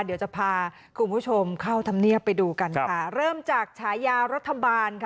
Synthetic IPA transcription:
di˨˦wt͡ɕa˨˩pʰaː˧ | kʰu˧npʰuː˦˥˩t͡ɕʰo˧mkʰa˥˩wt̪ʰa˧mni˥˩əpːa˧jduː˧ka˧nkʰa˦˥˩ɾɤː˥˩mt͡ɕaː˨˩k̚t͡ɕʰaː˩˦jaː˧ɾa˦˥t̪ʰːa˧baː˧nkʰ

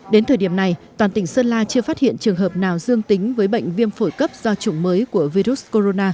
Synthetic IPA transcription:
ɗe˨˦nt̪ʰəː˨˩jɗi˧˩əmna˨˩jt̪waː˨˩nt̪ï˧˩ŋ̟səː˧nlaː˧t͡ɕɨ˧əfaː˦˥t̚hḭ˧˨ənt͡ɕɨ˨˩əŋɦəː˨˩p̚naː˨˩wzɨ˧əŋt̪ï˨˦ŋ̟vəː˨˦jɓə̰˧˨jŋ̟vi˧əmfo˧˩jkə˦˥p̚z̥ɔ˧t͡ɕʊ˨˧˦ŋ͡mməː˨˦jku˧˩əvi˧zu˦˥sko˧ɾo˧naː˧

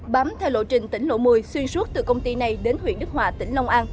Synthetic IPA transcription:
ɓa˨˦mt̪ʰɛ˧wlo̰˧˨t͡ɕï˨˩ŋ̟t̪ï˧˩ŋlo̰˧˥mɨ˨˩əjswi˧ənsu˦˥t̚t̪ɨ̰˧˨˩kə˧wŋ͡mt̪i˧na˨˩jɗe˨˦nɦwḭ˧˨ənɗɨ˦˥k̚hwaː˨˩t̪ï˧˩ŋ̟la˧wŋ͡mʔaː˧n

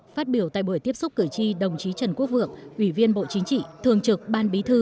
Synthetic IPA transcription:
faː˦˥t̚ɓi˧˩əwt̪a̰˧˨jɓu˧˩ət̪i˦˥əp̚sʊ˦˥p̚kɨ˧˩jt͡ɕi˧ɗə˨˩wŋ͡mt͡ɕi˨˦t͡ɕə˨˩nku˦˥ək̚vɨ̰˧˨əŋʔwi˧˩vi˧ənɓo̰˧˨t͡ɕï˨˦ŋt͡ɕḭ˧˨t̪ʰɨ˨˩əŋt͡ɕɨ˨˩k̚ɓaː˧nɓi˨˦t̪ʰɨ˧

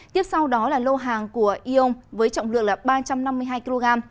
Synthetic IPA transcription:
t̪i˦˥əp̚sa˧wɗɔ˨˦laː˨˩lo˧ɦaː˨˩ŋku˧˩əʔi˧ʔə˧wŋ͡mvəː˨˦jt͡ɕɔ̰˧˨ŋ͡mlɨ̰˧˨ək̚laː˨˩ɓaː˧t͡ɕa˧mna˧mːɨ˧əɦaː˧jki˧lo˧ɣaː˧m

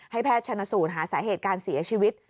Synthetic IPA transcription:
ha˥˩jpʰɛː˥˩t̪̚t͡ɕʰa˧nːa˧˥suː˨˩t̪̚ɦaː˩˦saː˩˦ɦeː˨˩t̪̚kaː˧nsi˨˩˦ɐ˦t͡ɕʰiː˧wi˦˥t̪̚

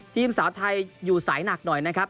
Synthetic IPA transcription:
t̪ʰiː˧msaː˩˦wt̪ʰa˧jːuː˨˩saː˩˦jna˨˩k̚nɔ˨˩jna˦˥kʰɾa˦˥p̚

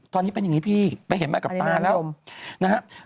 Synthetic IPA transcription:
t̪ɔː˧niː˦˥pe˧nja˨˩ŋi˦˥pʰiː˥˩pa˧jɦe˨˩˦nmaː˧˥˩ka˨˩˦t̪aː˧lɛː˦˥wna˦˥kʰa˦˥

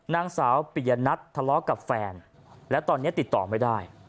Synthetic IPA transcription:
naː˧ŋsaː˩˦wpi˨˩ja˧na˦˥t̪ʰːa˧lɔ˦˥ka˨˩p̚fɛː˧n | lɛ˦˥wt̪ɔː˧nːi˦˥ɐt̪i˨˩t̪ːɔː˨˩ma˥˩jdaː˥˩j

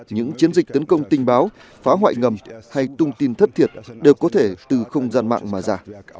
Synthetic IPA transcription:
ɲɨ̰˧˥ŋt͡ɕi˨˦ənzi˨˩k̟̚t̪ə˨˦nkə˧wŋ͡mt̪ï˧ŋ̟ɓaː˨˦w | faː˨˦ɦwa̰ː˧˨jŋə˨˩mha˧jt̪ʊ˧ŋ͡mt̪i˧nt̪ʰə˦˥t̚t̪ʰi˨˩ət̚ɗe˨˩wkɔ˨˦t̪ʰe˧˩t̪ɨ˨˩xə˧wŋ͡mzaː˧nma̰ː˧˨ŋmaː˨˩zaː˧˩

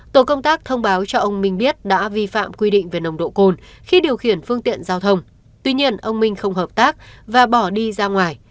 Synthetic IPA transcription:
t̪o˨˧˩kə˧wŋ͡mt̪aː˦˥k̚t̪ʰə˧wŋ͡mɓaː˨˦wt͡ɕɔ˧ʔə˧wŋ͡mmï˧ŋ̟ɓi˦˥ət̚ɗa̰ː˧˥vi˧fa̰ː˧˨mkwi˧ɗḭ̈˧˨ŋ̟ve˨˩nə˨˩wŋ͡mɗo̰˧˨ko˧n | xi˧ɗi˨˩əwxi˧˩ənfɨ˧əŋt̪ḭ˧˨ənzaː˧wt̪ʰə˧wŋ͡m | t̪wi˧ɲi˧ənʔə˧wŋ͡mmï˧ŋ̟xə˧wŋ͡mɦəː˨˩p̚t̪aː˦˥k̚vaː˨˩ɓɔ˧˩ɗi˧zaː˧ŋwaː˨˩j

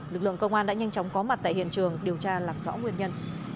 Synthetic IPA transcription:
lɨ˨˩k̚lɨ̰˧˨əŋkə˧wŋ͡mʔaː˧nɗa̰ː˧˥ɲa˧jŋ̟t͡ɕwŋ͡mkɔ˨˦ma˨t̚t̪a̰ː˧˨hḭ˧˨ənt͡ɕɨ˨˩əŋɗi˨˩əwt͡ɕaː˧laː˨˩mzɔ̰˧˥ŋwi˨˩ənɲə˧n

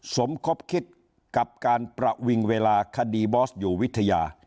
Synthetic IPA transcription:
so˩˦mkʰo˦˥p̚kʰi˦˥t̪̚ | ka˨˩p̚kaː˧npɾa˧wi˧ŋweː˧laː˧kʰa˧diː˧bɔː˦˥s̚juː˨˩wi˦˥t̪ʰːa˧jaː˧

